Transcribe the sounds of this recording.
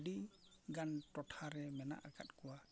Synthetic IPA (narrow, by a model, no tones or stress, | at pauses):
ɖiɡanʈɔtʰaɾɛmɛna̰ʔaka̰t̚kɔwa